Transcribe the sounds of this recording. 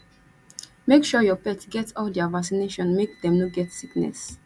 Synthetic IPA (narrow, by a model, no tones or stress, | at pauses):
mekʃɔjɔpɛtɡɛtɔldavaksineʃɔ̃nmek̚d̪ɛ̃mnoɡɛtsiknɛ̰s